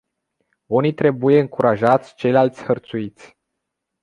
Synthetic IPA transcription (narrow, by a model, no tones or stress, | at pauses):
unit̪ɾe̞buje̞ɨŋkuɾʔaʒat̪sʲt͡ʃe̞jlalt̪sʲhərt̪suit̪sʲ